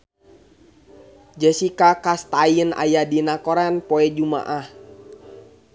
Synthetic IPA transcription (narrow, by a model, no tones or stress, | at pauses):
d͡ʒɛsikakast̪ajəna̰jadinakoɾanpɔɛd͡ʒuma̰ʔah